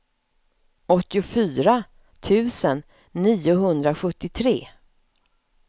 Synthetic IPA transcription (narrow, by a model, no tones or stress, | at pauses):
ɔt̪ːɪʊfyːɾa | t̪ʰʉ̟ːsənː | iːʊɦɵnd̪ɾaɧɵt̪ːɪt̪ʰɾḛː